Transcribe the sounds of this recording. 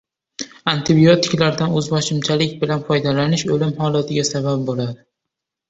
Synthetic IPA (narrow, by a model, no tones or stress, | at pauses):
ant̪ʰɪbijot̪ʰɪkʲlaɾd̪anɵzbɒʃɪmt͡ʃʰalɪkʲbɪlanfɒjd̪alanɪʃɵlɪmhɒlat̪ʰɪɡʲasabap̚bolad̪ɪ